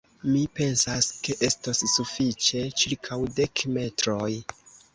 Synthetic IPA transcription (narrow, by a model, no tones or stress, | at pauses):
mipe̞nsaske̞ʔe̞stasːufit͡ʃe̞t͡ʃiɾkʰawde̞kme̞tɾoj